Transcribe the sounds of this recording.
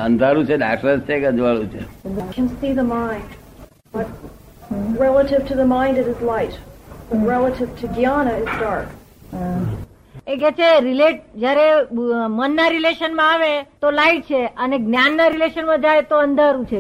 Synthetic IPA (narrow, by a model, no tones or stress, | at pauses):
ə̃nd̪ʱaɾũt͡ʃʰeɖakːəst͡ʃʰeɡəd͡ʒʋaɭũt͡ʃʰekʰɨ̃nsiðəmãɪ̃nd | b̥ʌt̚ | ɹɛlˠəɾɨv̥tʰɨðəmãɪ̃ndɨɾɨzlaɪt̚b̥əɹɛlˠəɾɨv̥tʰɨɡiɑnəɪzdɑɹk | eɡɛt͡ʃʰeɾileʈ̚d͡ʒjaɾemənːaɾileʃənmãaʋet̪olaiʈ̚t͡ʃʰeəneɡnjanːaɾileʃənmãd͡ʒajt̪oənd̪ʱaɾũt͡ʃʰe